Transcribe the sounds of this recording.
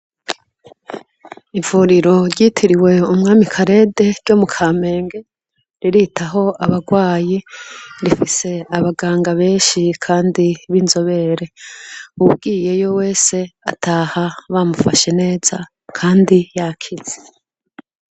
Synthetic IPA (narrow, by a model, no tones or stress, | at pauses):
ivuːɾiɾo̞ɾɟitʰiɾiwe̞umŋaːmikʰaɾe̞ːde̞ɾɟomukʰaːme̞ːŋɡe̞ | ɾiɾitʰaɦo̞aβaɡwaːjiɾifise̞aβaɡaːŋɡaβe̞ːnʃikʰaːndiβinzo̞βe̞ɾe̞ub̚ɡiːje̞jo̞we̞ːse̞a̰tʰaːhaβamufaʃe̞ne̞ːz̥a | kʰaːndijakʰiz̥e̥